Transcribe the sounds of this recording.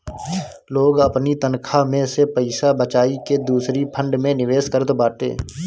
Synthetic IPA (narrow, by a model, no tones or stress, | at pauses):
loːɡəpnit̪ənkʰamẽsepəɪsabət͡ʃaːiked̪uːsɾipʰə̃ɳɖmẽnɪʋeːskəɾət̪baːʈḛː